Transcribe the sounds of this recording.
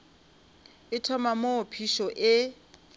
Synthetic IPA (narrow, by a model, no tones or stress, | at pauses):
ɪtʰɔmamopʰiʃɔʔɪ